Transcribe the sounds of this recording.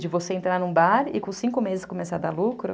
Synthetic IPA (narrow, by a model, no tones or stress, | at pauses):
d͡ʒɪvoseẽnt̪ɾaɾnũbaɾɪ̰kõsĩkʊmezɪskomesad̪alukɾʊ̰